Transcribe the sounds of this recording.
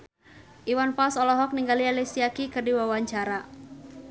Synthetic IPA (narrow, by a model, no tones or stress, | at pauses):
ʔiwanfasɔlɔɦɔk̚niŋɡalialesiakikɨrdiwawaɲt͡ʃaɾa